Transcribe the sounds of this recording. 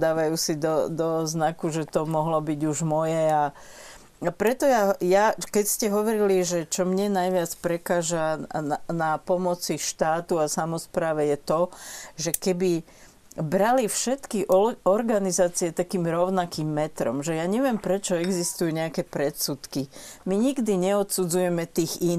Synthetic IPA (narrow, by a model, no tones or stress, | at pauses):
d̪aːʋajuːsid̪ɔd̪ɔznakuʒɛt̪ɔmɔɦlɔbiɟuʒmɔjɛa | apɾɛt̪ɔjajakɛcscɛɦɔʋɔɾiliʒɛt͡ʃɔmɲɛnajʋɪat͡spɾɛkaːʒaanapɔmɔt͡siʃt̪aːt̪uasamɔspɾaːʋɛjɛt̪ɔʒɛkɛbi | bɾalifʃɛt̪kiʔɔɾɡanizaːt͡siɛt̪akiːmɾɔʊnakiːmːɛt̪ɾɔ̰mʒɛjaɲɛʋɪɛmpɾɛt͡ʃɔɛɡzist̪ujuɲɛakɛpɾɛt̪sut̪kimiɲiɡd̪iɲɛɔt̪sud͡zujɛmɛt̪iːɣin